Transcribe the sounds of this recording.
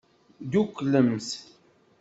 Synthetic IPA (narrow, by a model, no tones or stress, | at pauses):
d̪ukːləms